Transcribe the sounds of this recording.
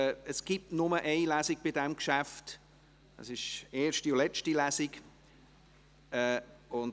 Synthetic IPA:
əsɡ̥ip̚tnʊməʔeɪlæːziɡb̥ɪdɛmkʃæft | ɑ̰sɪʃeːʃtiʊlɛt͡ʃtilæsɪk | ɛʊn

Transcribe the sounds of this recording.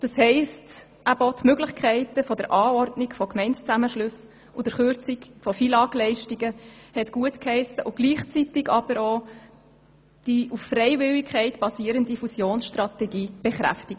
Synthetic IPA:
d̥ɑshɛɪst | ʔæb̥ɔtmøɡlɪχkʰɛɪtəfɔdəɾʔɑːɔrdnɪkfɔkmɛɪntt͡sæməʃlɵs | ʊd̥əɾχøɾt͡sikfɔfilɑːklɛɪʃtiɡəhɛtɡ̥uətkhɛɪsəʔʊɡ̥liːχt͡sitɪɡɑb̥əɾoː | d̥iuffrɛɪvɪlikʰχɛɪtb̥ɑsiːəɾəndifusjoːnsʃtrɑtɛɡiːb̥eχɾæ̰ftɪɡ̥ə

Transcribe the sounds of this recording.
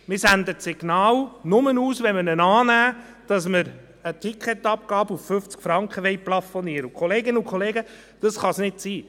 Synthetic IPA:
mɪsænd̪ətsiɡ̥nɑːlnʊmənuːsʋɛmənənɑːnæː | d̥ɑsməɾ | ətʰikχɛt̪ɑp̚kɑːbəufføft͡skfɾɑŋkχəʋɛɪjplɑfoniːəɾəukʰχɔleːɡɪnəukʰɔleːɡə | d̥ɑsχɑsnɪtsiː

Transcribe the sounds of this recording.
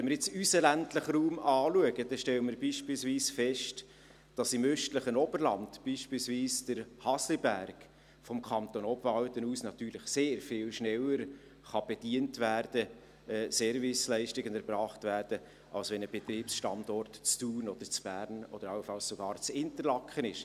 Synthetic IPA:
ʋɛnməɾjɪt͡sysəlæntləχɾuːmɑːluəɡəd̥ɛʃtɛləməɾbiːʃpiːlsviːsfɛʃt | d̥ɑsɪmøʃtləχənɔbəɾlɑnd̥b̥iːʃpiːlsviːsd̥əɾhɑslibærɡ | fɔmkʰɑnt̪onɔbvɑwtənuːsnɑt̪yːɾlɪχseːɾfɪːlʃnɛləɾ | χɑb̥ɛd̥iəntvæːrd̥ə | ɛːsɛːɾvɪslɛɪʃtɪɡənɛɾbrɑːχtvæːɾd̥ə | ʔɑlsʋɛnəb̥ɛt̪riːpsʃtɑndɔrtt͡stuːnɔd̥̪əɾt͡sb̥æːɾnɔ̰d̥əɾɑwfɑlssoɡ̥ɑːɾt͡sɪntəɾlɑkʰχənɪʃ

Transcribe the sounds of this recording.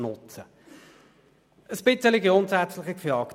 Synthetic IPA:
nʊt͡sə | əsb̥ɪt͡səliɡjʊntsæt͡slɪχɪkfjɑːk

